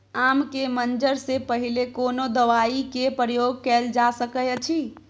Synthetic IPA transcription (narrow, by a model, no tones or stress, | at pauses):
amkemənd͡ʒəɾsepəɦilekonod̪əʋaikepɾəjoɡ̚kɛld͡ʒasəkəjt͡ʃʰi